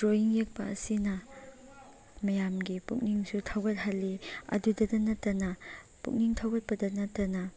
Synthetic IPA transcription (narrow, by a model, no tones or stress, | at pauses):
dɾojiŋjek̚pɐɐ̰sinɐ | mɐjamɡipuk̚niŋsutʰɐwbɐt̚ɦalːiɐ̰dudɐdɐnɐtːɐnɐ | pṵk̚niŋtʰɐwbɐt̚pɐdɐnɐtːɐnɐ